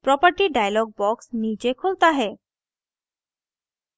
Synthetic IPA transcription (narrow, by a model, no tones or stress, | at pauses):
pɾɔpəɾʈiɖajalɔɡ̚bɔksnid͡ʑekʰolt̪aɦɛ